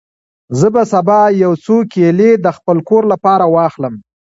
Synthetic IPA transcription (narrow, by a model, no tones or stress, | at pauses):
zəbasabɑjawt͡sokeled̪əxpəlkoɾlapɑɾawɑxləm